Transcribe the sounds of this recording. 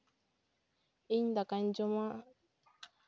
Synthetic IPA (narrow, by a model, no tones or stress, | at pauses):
iɲndakan̩d͡ʒomã